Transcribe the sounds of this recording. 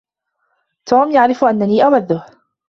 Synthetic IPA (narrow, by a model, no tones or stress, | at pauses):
t̪ʰuːmjaʕɾɪfʔanːaniːʔawaðːʊh